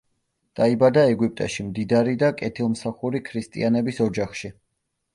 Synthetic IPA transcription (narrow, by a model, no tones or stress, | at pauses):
d̪̥aibad̪aɛɡwip̚ʼt̪ʼa̰ʃimd̪id̪aɾid̪akʼɛt̪ʰilˠmsaχuɾikʰɾist̪ʼḭanɛbisɔd͡ʒaχʃi